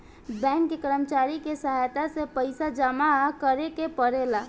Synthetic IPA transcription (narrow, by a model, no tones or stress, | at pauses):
bɛ̃ŋkːekəɾəmt͡ʃaɾikesəɦajt̪asepəɪsad͡ʒəmakəɾekepəɾela